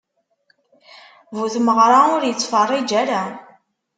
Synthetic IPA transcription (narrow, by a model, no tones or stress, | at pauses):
vuθməʁɾˤaʊɾjət͡sˤːfərˤːid͡ʒæɾa